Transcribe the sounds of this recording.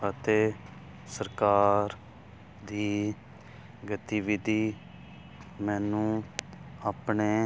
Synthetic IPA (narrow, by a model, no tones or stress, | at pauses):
ət̪eː | səɾkaːɾ | d̪iː | ɡət̪iːʋid̪iː | mɛːnũː | aːpɳeː